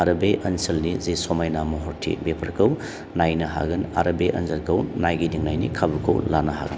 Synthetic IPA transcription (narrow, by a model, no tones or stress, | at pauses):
aɾɐbeʔɐnsɐlnizisɔmajnamɔɦɔɾtʰḭbepʰɐɾkʰɐw | najnɐɦa̰ɡɯnaɾɐbeʔɐ̰nzɐlkʰɐwnajɡidiŋnajnḭkʰabukʰɐ̰wlanɐɦa̰ɡɐ̰n